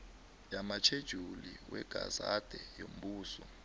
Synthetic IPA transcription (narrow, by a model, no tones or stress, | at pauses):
jamat͡ʃʰed̥ʒ̥ʱuliwɛɡ̥ʱazad̥ʱɛjom̩ɓuːsɔ